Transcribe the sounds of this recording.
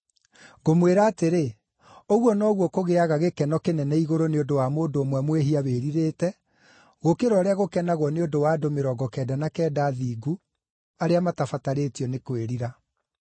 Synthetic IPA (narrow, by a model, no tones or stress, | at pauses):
ɣomweɾaːteɾe | oɣwɔnɔːɣwɔkoɣeaɣaɣekɛnɔkenɛnɛiɣoɾoneondowamoːndoːmwɛmweɦiaβeːɾiɾeːtɛ | ɣokeɾɔɾɛaɣokɛnaɣwɔneodowaːdomeɾɔɡɔkɛdanakɛːdaːðiːɡu | aɾeamatafataɾeːtiɔnekweɾiɾa